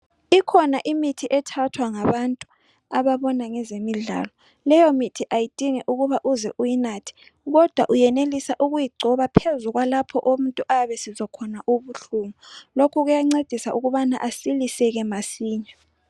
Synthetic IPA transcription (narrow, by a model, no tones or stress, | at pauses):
ikʰɔnaʔimitʰiʔɛtʰatʰwaŋaβantʼu | aβaβɔnaŋɛzemiɮa̰ːlɔ | lɛjɔmitʰiʔajid̥ʱiŋɛʔuɣuβaʔuzɛʔujinatʰi̥ | ɣɔd̥ʱwa̰ʔujɛnelisaʔuɣujiɡ͡ǀʱɔβapʰezuɣwalapʰɔʔom̩ntʼuʔaβɛsizɔkʰɔnaʔuβuɬuːmulokʰuɣujaŋ͡ǀed̥ʱisaʔuɣuβanaʔasilisɛɣɛmasiːɲɛ